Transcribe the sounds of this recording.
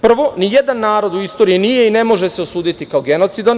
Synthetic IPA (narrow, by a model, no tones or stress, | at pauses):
pr̩ʋo̞nijed̪anːaːɾo̞d̪uist̪o̞ːɾiinije̞ine̞mo̞ʒeseosuːd̪it̪ikaoɡe̞no̞t̪sid̪an